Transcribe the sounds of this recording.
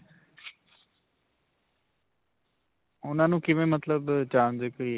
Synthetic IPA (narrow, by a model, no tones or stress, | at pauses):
ʊnãːnũːkɪʋẽːmət̪ləbt͡ʃaːnzekəi